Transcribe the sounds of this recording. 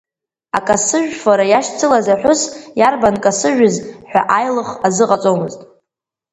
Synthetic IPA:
a̰kʼasɨʒᶣfaɾajaʃt͡sʰɨlazaħʷᶣʊsjarbankʼasɨʒᶣʊzħʷᶣa̰ʔajlɨχazɨqʼat͡sʼomɨztʼ

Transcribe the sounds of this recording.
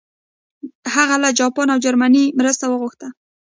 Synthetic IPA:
haɣalad͡ʒɑpɑnawd͡ʒaɾmanimɾəst̪awəɣʊxt̪a

